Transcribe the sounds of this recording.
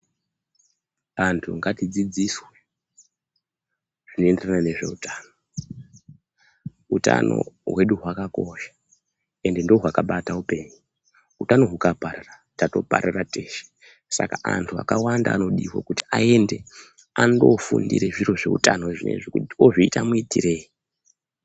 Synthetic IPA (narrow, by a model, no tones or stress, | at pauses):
antʰuŋɡatid͡zid͡ziswe | ʐ̥ino̞e̞nderanane̞ʐe̞̰utaːno | uta̰no̞̰ɦwe̞ɗuɦwakako̞ʃḁ | e̞nde̞ndooɦwakaɓataupe̞ːɲu | utano̞ɦukaparara | tato̞̰pa̰ɾirate̞ːʃe̥ | sa̰kaʔantʰua̰kawandaːno̞ɗiwo̰kuti̥ae̞nde̞ | ando̞fṵndḭɾeʐiɾo̞ʐe̞utanoʐinḛʐikutoʐiitamuitire̞ːji